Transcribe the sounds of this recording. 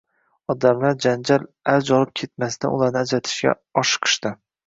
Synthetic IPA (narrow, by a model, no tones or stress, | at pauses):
ɒd̪amlaɾd͡ʒand͡ʒal | aɾd͡ʒɒlˠɨp̚kʲʰe̞t̪masd̪a̰nʊ̰lˠaɾnɪad͡ʒat̪ʰɪ̥ʃɡʲa̰ | ɒʃqʰɨ̥ʃt̪ɪ